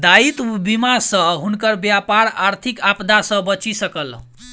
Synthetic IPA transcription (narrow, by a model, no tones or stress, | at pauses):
d̪ait̪bimasʌ̃ɦunkʌɾbjapaɾaɾt̪ʰikapd̪asʌ̃bʌt͡ʃisʌkʌl